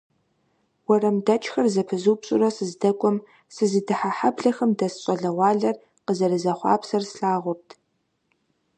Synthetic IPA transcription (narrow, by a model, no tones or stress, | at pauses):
wɐrɐmdɐt͡ʃʼxɐrzɐpʰɨzuːpɕʼʊ̰rɐsɨzdɐkʷʼʊm | sɨzidɨħaħabɮɐxɐmdɐsɕʼɐɮɐwʷɑːɮɐr | qəzɐrɨzɐχʷɑ̰ːpsɐrsɬaːʁʷʊp̚tʰ